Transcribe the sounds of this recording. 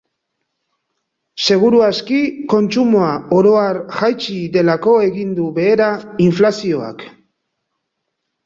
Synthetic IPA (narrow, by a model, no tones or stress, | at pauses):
se̞ɣ̞uɾuaskiko̞nt͡sumoaoɾo̞aɾʝajt͡ʃide̞lako̞e̞ɣind̪uβe̞ːɾaiɱflasio̞a̰k